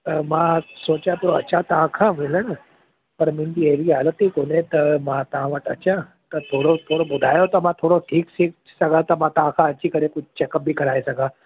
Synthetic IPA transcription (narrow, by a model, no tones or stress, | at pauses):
mãsoːt͡ɕat̪ʰuɾoɐ̰t͡ɕʰat̪ɐʋ̤ãkʰãmɪlənə | pɐɾmɪ̃nd̪ieʋiɦaːlət̪ikoːnẽt̪ɐmãt̪ɐʋ̤ãʋəʈɐ̰t͡ɕã | t̪ɐt̪ʰoːɽot̪ʰoːɽobʊd̪ʱaːjot̪ɐmãt̪ʰoːɽoʈʰiːksik | sɐɡat̪ɐmãt̪ɐʋ̤ãkʰãɐt͡ɕikɐɾekʊd͡ʑʱt͡ɕekəp̚bʱikɐɾaːesɐɡʱa